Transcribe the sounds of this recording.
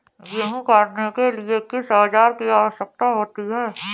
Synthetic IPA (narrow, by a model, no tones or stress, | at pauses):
ɡeɦũkaːɾnekeliekɪsaːd͡ʒaːɾkijasək̚t̪aɦoːt̪iɦɛː